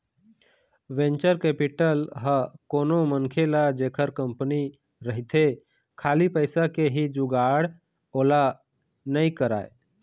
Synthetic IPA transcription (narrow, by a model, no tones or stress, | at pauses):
ʋẽnt͡ʃəɾkɛːpɪʈəlɦəkoːnoməŋkʰelad͡ʒeːkʰəɾkəmpni | ɾəɦit̪ʰe | kʰaːlipəɪsakeɦid͡ʒuɡaːɽ | oːla | nəĩkəɾa̰ːe